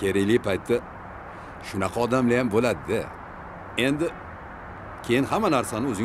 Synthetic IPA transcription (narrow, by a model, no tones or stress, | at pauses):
kʲʰe̞ɾɪjlɪpajt̪ʰːa | ʃʊnɑqʰɑɒd̪amlajambolad̪ɪɪ | e̞nd̪ɪ | kʲʰe̞jɪnhamːanaɾsanɪɵzɪ